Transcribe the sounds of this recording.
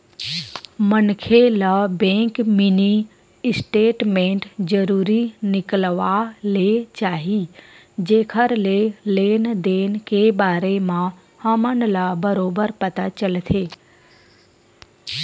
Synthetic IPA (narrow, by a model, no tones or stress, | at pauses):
mənkʰeləbẽːŋkmɪni | ɪsʈeːʈmẽːɳʈd͡ʒəɾuːɾinɪkəlʋalet͡ʃaːɦi | d͡ʒeːkʰəɾleleːnd̪eːnkebaːɾemã | həmənlabəɾoːbəɾpɐt̪at͡ʃəlt̪ʰeː